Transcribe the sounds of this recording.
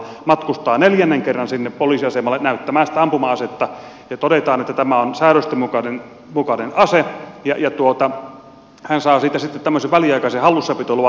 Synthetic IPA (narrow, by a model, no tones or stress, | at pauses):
mɑt̪kust̪ɑːneljænːeŋkerːɑnsinːeppoliˑsiɑsemɑlːenæyt̪ːæmæːsi̥t̪æɑmpumɑɑset̪ːɑ | jɑt̪odet̪ɑːnet̪ːæt̪æmæonsæːɾøst̪emukɑnen | mukɑnenɑsejɑjɑt̪uot̪ɑ | hænsɑːsiːt̪æsit̪ːet̪t̪æmːøseʋʋæliɑikɑsehɑlːusːɑpit̪olːɑʋɑ